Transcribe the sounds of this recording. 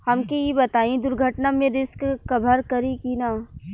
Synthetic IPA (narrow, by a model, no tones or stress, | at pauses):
hɐmkejibɐt̪aːĩd̪ʊɾɡʱəʈnamẽɾɪskkɐbʱəɾkɐɾikiːnaː